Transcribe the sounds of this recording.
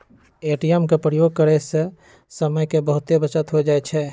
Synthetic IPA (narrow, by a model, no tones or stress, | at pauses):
eʈijemkepɾəjoɡ̚kəɾɛsẽ | səməjkebəɦʊt̪ebət͡ʃət̪ɦod͡ʒaɛt͡ʃʰɛ